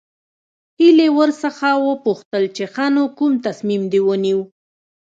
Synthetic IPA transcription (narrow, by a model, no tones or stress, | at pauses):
hilewəɾsəxawəpuxt̪əlt͡ʃexanokumt̪asmimd̪ewəniw